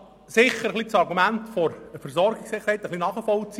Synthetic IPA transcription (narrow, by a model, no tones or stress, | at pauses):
sɪχəɾəχlit͡sɑɾɡumæntfɔɾəfəɾsɔɾɡɪksɪχːəɾhɛɪt̪əχlinɑːχəfɔlt͡si